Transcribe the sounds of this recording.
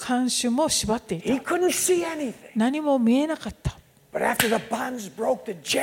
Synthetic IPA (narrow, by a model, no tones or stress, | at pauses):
kʰãɰ̃ɕɨ̃mmːo̞ɕibat̪ːe̞ithaikʰʊdⁿn̩t̪siɛniθɪ̃ŋnaɲ̟imo̞mʲie̞nakat̪ːḁ | b̥ʌɾæftə˞ðəbɑ̃nzbɹoʊk̚ðɨd͡ʒɛ